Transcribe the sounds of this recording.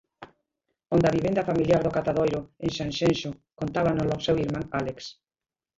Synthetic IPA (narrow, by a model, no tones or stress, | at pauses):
õnd̪aβiβẽnd̪ɐfamiljaɾðokat̪aðojɾoeŋʃãnʃenʃokont̪aβanolosewiɾmãŋaleks